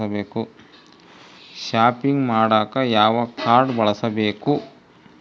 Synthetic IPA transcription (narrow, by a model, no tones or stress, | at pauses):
ɐbeːku | ʃaːpiŋɡmaːɽaːkɐjaːʋɐkʰaːɾɖbɐɭɐsɐbeːku